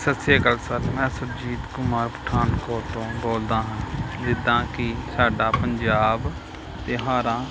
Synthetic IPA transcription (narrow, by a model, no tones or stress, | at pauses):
sət̪seːkəlsəɾmɛ̃ːsəd͡ʒiːd̪kʊmaːɾpə̥ʈʰaːnkoːɾt̪õːboːld̪ãːɦãːd̪ɪd̪ãːkɪsaːɖaːpəɲd͡ʒaːb | t̪eːɦaːɾãː